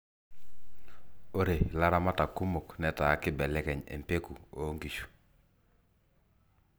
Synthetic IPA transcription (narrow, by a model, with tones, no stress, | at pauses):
o˦ɾe˨la˦ɾa˦ma˦ta˨ku˦mo˨knɛ˨ta˨˦kɪ˦bɛ˨lɛ˦kɛ˨ɲḛ˨mpe˦ku˨o˦ŋɡi˨ʃu̥˨